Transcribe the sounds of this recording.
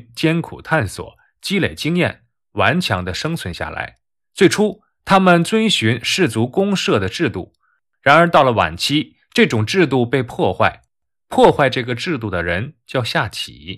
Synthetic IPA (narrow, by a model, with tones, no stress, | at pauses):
t͡ɕjɛ˥nkʰṵ˨˩t̪ʰa˥˩nswɔ̰˨˩˦ | t͡ɕi˥le˨˩ɪt͡ɕi˥ŋjɛ̰˥˩n | wa˧˥nt͡ɕʰjɑ̰˧˥ŋd̪ə˧ʂɤ˥ŋt͡sʰwə˧˥nɕja̰˥˩la̰˧˥ɪ | t͡swe˥˩ɪʈ͡ʂʰu˥ | t̪ʰa˥mə˨nt͡swə˥nɕy˧˥nʂɻ̩˥˩t͡su˧˥kʊ˥ŋʂɤ˥˩d̪ə˩ʈ͡ʂɻ̩˥˧t̪ṵ˥˩ | ɻa˧˥nə˞˧˥t̪ɑ˥˩ʊlə˩wa̰˨˩nt͡ɕʰi˥ | ʈ͡ʂɤ˥˩ʈ͡ʂʊ˨˩ŋʈ͡ʂɻ̩˥˧t̪̬u˥˧pe˥˧ɪpʰwɔ˥˧xwa˥˩ɪ | pʰwɔ˥˧xwa˥˧ɪʈ͡ʂɤ˥˩ɡə˩ʈ͡ʂɻ̩˥˧t̪u˥˩d̪ə˩ɻə˧˥nt͡ɕjɑ˥˧ʊɕja˥˩t͡ɕʰḭ̥˨˩˦